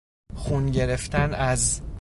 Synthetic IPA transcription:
xunɟe̞ɾe̞ft̪ænæz

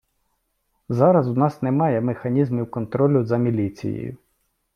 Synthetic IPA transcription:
zɑɾɐzʊnɑsnemɑjɛmexɐnʲizmʲiwkɔnt̪ɾɔlʲʊzɐmʲilʲit͡sʲḭjḛjʊ̰

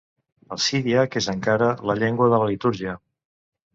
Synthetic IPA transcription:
əsiðiakezəŋkaɾələʎeŋɡwəðələlit̪uɾʒiə

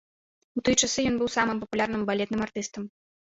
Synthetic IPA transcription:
ut̪ɨjɛt͡ʂasɨjɔnbɨwsamɨmpɐpulʲarnɨmbalʲɛt̪nɨmart̪ɨst̪ɐm

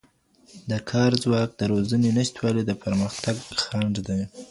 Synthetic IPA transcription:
d̪əkʰɑɾzwɑk̚d̪əɾozanenɪʃt̪wɑled̪əpʰaɾməxt̪aɡxaɳɖd̪aj

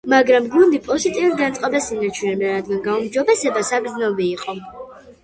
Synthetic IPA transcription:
maɡɾamɡund̪ipʼɔzit̪ʼiuɾɡant̪sʼqʼabasinat͡ʃʰunɛb̪aɾad̪ɡanɡaumd͡ʒɔbɛsɛbasaɡɾd̪znɛbiːqʼɔ

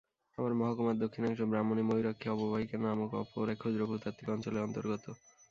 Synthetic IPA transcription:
amaɾmɔɦakomad̪okʰːinɛkʃobɾamonimoɦiɾokʰːeɔbobaɦikanaamokɔ̰poɾɛkʰod̪ɾobʱut̪at̪ʰːikɔnt͡ɕoleɔnt̪oɾɡot̪o

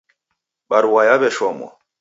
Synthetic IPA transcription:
ɓaɾwajabɛʃɔmɔ̰

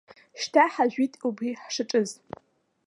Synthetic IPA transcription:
ʃtʰaħaʒʷitʼubriħʂɨʈ͡ʂʼɨz

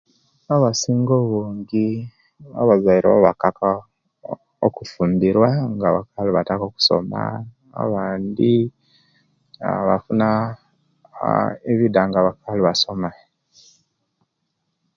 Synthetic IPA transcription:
aβasiːŋɡoβoːŋɡi | βa̰βazaiɾaβaβakaka | okufuːndiɾwaŋɡaβa̰kaluβatakoku̥so̞̰ma̰ | a̰βaːndi | a̰βa̰funa | eβidaŋɡaβakaliβaso̞ma

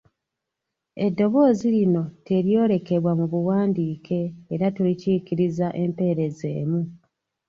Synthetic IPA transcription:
e̞dːo̞βo̞ːzilino̞te̞ɾjo̞ːɾe̞ke̞βwamuβuwaːndiːkʰe̞ːɾatuliciːkiɾizaʔe̞mpe̞ːɾe̞ze̞̰ːmu

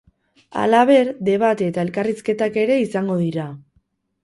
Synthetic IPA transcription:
a̰laβ̞e̞ɾd̪e̞βat̪et̪ae̞lkariske̞t̪ake̞ɾe̞isaŋɡo̞ðiɾa

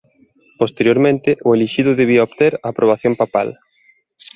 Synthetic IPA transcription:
post̪eɾjoɾmẽnt̪ɪʔʊeliʃiðʊðeβiaobt̪eɾaːpɾʔoβ̞aθjompapa̰l

